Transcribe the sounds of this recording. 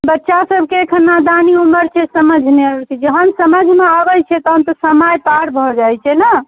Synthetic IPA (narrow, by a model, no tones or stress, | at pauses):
bətːʃasəbʱkeːkʰənnːad̪aniuməɾt͡ʃʰɛsəməd͡ʒʱneət̪ʰid͡ʒəɦənsəməd͡ʒʱmeaɡəjt͡ʃʰɛt̪ɔɦəmt̪ɔsəməjpaɽbʱɔd͡ʒajt͡ʃʰɛnə